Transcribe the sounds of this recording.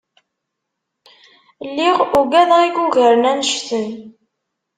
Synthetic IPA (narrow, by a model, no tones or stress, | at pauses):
lːiʁuɡæðʁiɡuʝəɾənænəʃθən